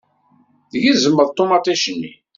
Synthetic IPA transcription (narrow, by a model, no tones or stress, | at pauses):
ðʝizəmːəðˤt̪ˤːomɑt̪ˤæʃənːḭ